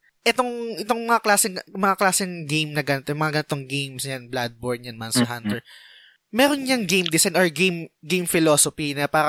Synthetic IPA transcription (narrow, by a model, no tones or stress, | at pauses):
ʔɛt̪o̞ŋʔɪt̪o̞ŋmɐŋaklaːsɪŋmɐŋaklaːsɪŋɡejmnɐɡɐnɪt̪ojmɐŋaɡɐnɪt̪oŋɡejmsɲɐnblad̪̚boɹd̪ɲɐnmansɐɦant̪ɛɹ | mɛːɾonɲɐŋɡejmd̪ɪsajnʔoɹɡejmɡejmfɪlo̞ːsopinɐpaːɾɐ